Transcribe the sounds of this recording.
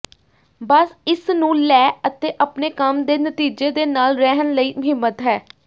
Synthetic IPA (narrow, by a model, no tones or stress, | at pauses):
bəsɪsnũːlɛːət̪eːʔəpneːkəmd̪eːnət̪iːd͡ʒeːd̪eːnaːlɾɛɦənləiːməɦɪmːət̪ɦɛː